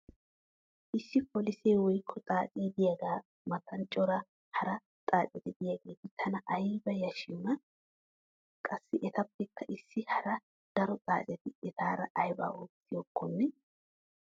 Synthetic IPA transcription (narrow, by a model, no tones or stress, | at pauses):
ʔɪsːɪpɔlɪseːwɔjkʰːɔt͡sʼaːt͡sʼiːd̪ɪjaɡaː | mɐt̪ʰɐnt͡ʃʼɔɾɐ | hɐɾɐ | tʼaːt͡sʼɪt̪ɪd̪ɪjaɡe̞ːt̪ɪt̪ʰɐnɐʔɐjbɐjɐʃɪjʊnɐ | kʼɐsːɪʔɛt̪ɐpːɛkːɐʔɪsːɪhɐɾɐ | d̪̥ɐɾɔt͡sʼa̰ːt͡sʼɛt̪ɪɛt̪ʰaːɾɐʔɐjba̰ːoːt͡sːɪjoːkːɔnːɛ